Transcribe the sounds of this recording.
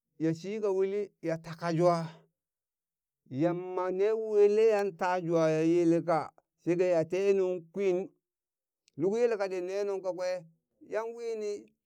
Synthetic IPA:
ja˨si˦ka˨wi˦li˦ja˨ta˨ka˨d͡ʒu˦a˦ | ja˨mːa˨ne˦we˦le˦ja˦nta˦d͡ʒu˨a˨ja˨je˦le˦k̬a˨ | se˦ɡa˦ja˨te˦nu˦ŋkʷi˦n | nu˦ku˦je˦le˦ka˨de˨ne˦nu˦ŋka˨kʷe˦ | ja˦nwi˦ni˦

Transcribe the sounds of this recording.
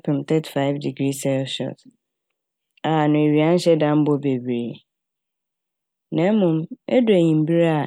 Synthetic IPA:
pʰɪ̃˨mtʰɛ˦tʰi̥˨fa˦ɪ˦vdi˨ɡɾi˦sɛ˦lʃɔ̰˦˨t | a˨nʊ̃˨e˨ɥi˨ã˦n̩˦ɕɛ˦dã˦m̩˦bɔ˦be˨bɾe˨ | nɛ̃˨˦mʊ̃˨mɛ̰˦dʊ˨˦e˨ɲĩ˨m̩˦bi˦ɾa˦˨

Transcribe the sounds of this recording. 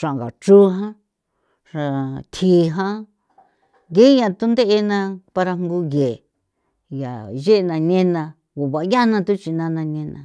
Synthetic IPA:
ʂã˨ɡa˨t͡ʃu˦ɦã˦ | ʂa˧t̪ʰi˨˧˦ɦã˦ | ɡe˦ɲã˧t̪u˦nd̪e˦ʔe˧nã˧pa˧ɾa˧ŋŋ˦ɡu˧je˨ | ja˨ʒe˦ʔnã˧ɲẽ˦nã˧ | βo˨βa˨˧˦ja˦nã˧t̪u˦t͡ʃi˧nã˧nã˧ɲẽ˧nã̰˧

